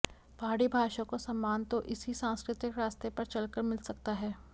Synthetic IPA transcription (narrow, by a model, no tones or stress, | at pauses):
pɦaːɽibʱaːʃãkosɐmːaːnt̪oʔɪsisãːskɾɪt̪ɪkɾaːst̪epɐɾt͡ʃɐlkəɾmɪlsɐk̚t̪aɦɛː